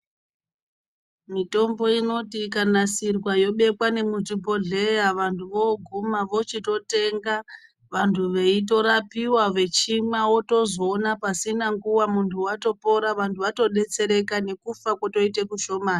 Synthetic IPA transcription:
mito̞mbo̞ino̞tikanasirwajo̞ɓe̞kwane̞mut͡ʂipo̞ɮe̞jaʋantʰuʋoɡʱumaʋo̞t͡ʃito̞te̞ŋɡa | ʋantʰuʋe̞ito̞ɾapiwaʋe̞t͡ʃimwawo̞to̞zoːnapasinaŋɡuwamuntʰuwato̞po̞ɾaʋantʰuʋato̞ɗe̞t͡se̞ɾe̞kane̞kufakwato̞ite̞kuʃo̞maːni

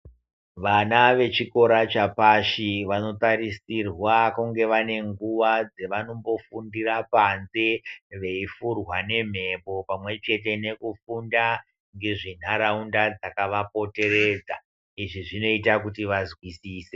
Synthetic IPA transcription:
ʋanaʋe̞t͡ʃiko̞ɾat͡ʃapaʃiʋano̞t̪aɾisirwakuŋɡe̞ʋane̞ŋɡuʋad͡ze̞ʋano̞mbo̞fundirapanzeʋe̞ifurwane̞m̤e̞po̞pamwe̞t͡ʃe̞t̬e̞ne̞kufunda | ŋɡeʐin̤aɾaundad͡zakaʋapo̞te̞re̞ːd͡za | iʐiʐino̞itakutiʋazwisiːse

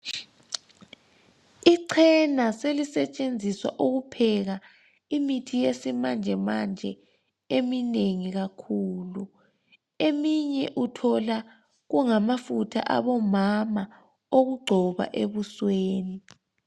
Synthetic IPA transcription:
iǀʰɛnaselisɛt͡ʃʼend͡zʱiswa̰ʔuɣupʰɛɣa | imitʰijesimand͡ʒʱɛmand͡ʒʱɛ | emineŋiɣakʰuːlu | emiɲɛ̰ʔutʰɔla | ɣuŋamafutʰa̰ʔa̰βɔmama | oɣuɡ͡ǃʱɔβa̰ʔeβusweːni

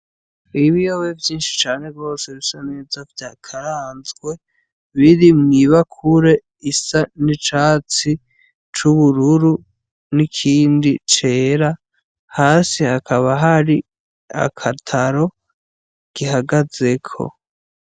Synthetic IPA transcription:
iβijoβevjiːnʃi̥t͡ʃaːne̞ɡɡo̞ːseɾisane̞ːzavjakʰaɾaːnzɡwe̞ | βiɾimŋiːβakʰuɾe̞ | isanit͡ʃaːt͡si | t͡ʃuβuɾuɾu | nikʰiːndit͡ʃe̞ːɾa | haːsihakʰaβaɦaɾi | a̰kʰatʰaɾo̞ | ɡ̥iɦaɡaze̞kʰo̞̰

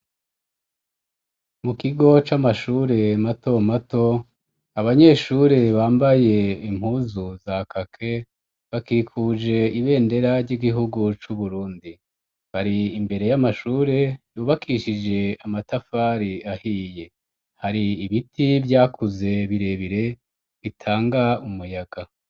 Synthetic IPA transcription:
mukiɡo̞t͡ʃamaʃuːɾe̞mato̞mato̞ | aβaɲe̞ːʃuːɾe̞βaːmbaje̞im̥huːzuzakakʰe̞ | βakiːkʰuːd͡ʒe̞iβe̞ːnde̞ɾaɾɟiɡiɦuɡut͡ʃuβuɾuːndi | βaɾiːmbe̞ɾe̞jamaʃuːɾe̞juːβakiʃid͡ʒe̞amatafaːɾiahiːje̞ | haɾiːβitʰivjaːkʰuze̞βiɾe̞βiɾe̞ | βitʰaːŋɡaumujaɡa

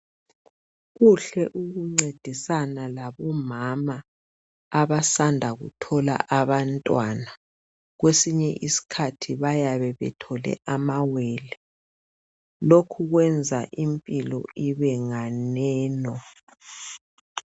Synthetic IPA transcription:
ɣuɬɛʔuɣuŋ͡ǀed̥ʱisanalaβɔmamaː | βasandʱaɣṵtʰɔla̰ʔaβantʼwana | ɣwesiɲɛʔisi̥kʰatʰiβajaβɛβɛ̰tʰɔlɛ̰ʔamawɛːlɛ | lokʰuɣwɛnd͡zʱaʔimpʼilɔ̰iβɛŋanɛːnɔ

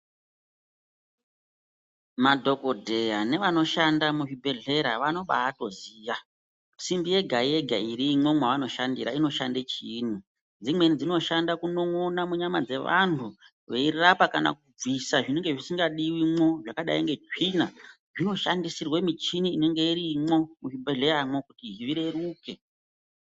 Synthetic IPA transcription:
madʱo̞kodʱe̞jane̞ʋano̞ʃandamuʐibʱe̞ɮe̞ɾaʋano̞ɓa̰ːto̞ziːja | simbije̞ɡʱaije̞ɡʱaiɾimwo̞mwaʋano̞ʃandiɾaino̞ʃandet͡ʃiːni | d͡zimwe̞nid͡zino̞ʃandakuno̞ŋonamuɲamad͡ze̞ʋa̰n̤u | ʋeirapakana̰kub͡visaʐine̞ŋɡe̞ʐisiŋɡaɗiwimo̞ʐakaɗa̰iŋɡetina | ʐino̞ʃandisirwe̞mit͡ʃiniːne̞ŋɡe̞iɾimo̞muʐibʱe̞ɮe̞ɾamokutiɦiʋiɾe̞ruke̞

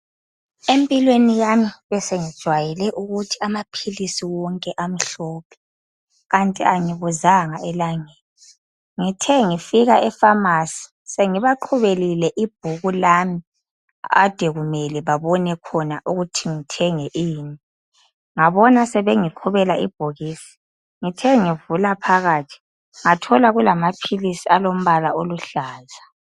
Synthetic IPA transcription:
empʼilwenijamiβɛseŋid̥ʒ̥ʱwajilɛʔuɣutʰiamapʰilisiwɔŋkʼɛʔam̩ɬɔːpʰɛ̥ | ɣantʼiaŋiβuzaŋaɛlaŋeːli | ŋitʰɛŋifiɣaɛfamaːsi̥ | seŋiβaǃʰuβelilɛʔib̥̚ʱuɣulaːmi | ad̥ʱɛɣumɛlɛβaβɔnɛkʰɔna̰ʔuɣutʰiŋitʰɛŋɛʔiːni | ŋaβɔnasɛβeŋiǃʰuβɛlaḭb̥ʱoɣiːsi̥ | ŋitʰɛŋivulapʰaɣaːtʰi̥ | ŋatʰɔlaɣulamapʰilisialom̩βalaoluɬaːza

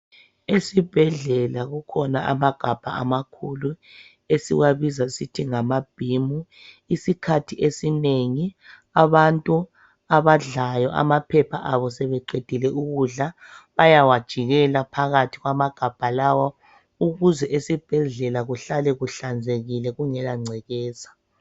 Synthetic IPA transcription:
esib̥ʱɛɮɛlaɣukʰɔnaʔa̰maɡ̥ʱab̥ʱa̰ʔamakʰulu | esḭwaβizasitʰiŋamab̥ʱimu | isikʰatʰiʔesineŋi | aβantʼu | aβaɮajɔʔa̰mapʰɛpʰaʔaβɔsɛβɛǃed̥ʱilɛʔuɣuɮa | βajawad̥ʒ̥ʱiɣɛlapʰaɣatʰiɣwamaɡ̥ʱab̥ʱalawa | uɣuzɛʔesib̥ʱɛɮɛlaɣuɬalɛɣuɬand͡zʱeɣilɛɣuŋɛlaŋ͡ǀʱɛɣɛːzḁ

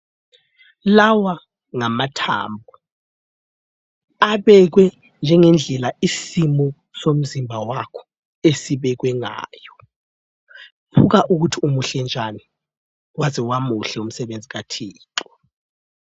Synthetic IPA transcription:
lawa | ŋamatʰa̰ːmb̚ʱu | aɓɛk̬wɛ | nd͡ʒʱɛŋɛnd͡ɮʱɛlaisimɔ | som̩zimbʱawakʰɔ̥ | esiɓɛk̬wɛŋa̰ːjɔ | pʰuk̬aʔuk̬utʰiumuɬɛnd͡ʒʱani | waziwamuɬɛum̩sɛɓend͡zʱiɣatʰiːǃɔ̥

